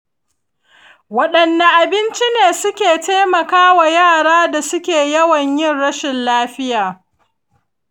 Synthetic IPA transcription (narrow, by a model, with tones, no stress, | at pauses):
wɐ˦ɗɐ˨nːa˦ʔa˨bɪ˦nt͡ʃi˦neː˨sʊ˦kʲeː˨teː˦mɐ˨kaː˦wa˨jaː˦˨ɽaː˦da˨sʊ˦kʲeː˨jɐ˦wɐ˨ɲjɪ˦˨nɽɐ˦ʃɪ˨nlaː˦ɸɪ˦jaː˨